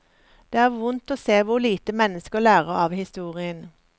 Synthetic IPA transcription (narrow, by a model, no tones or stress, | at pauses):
d̪̥eːæːʁʋʊnt̪oːseːʋʊliːt̪əmɛnəskəʁlæːʁəɑːʋhɪst̪uːʁɪən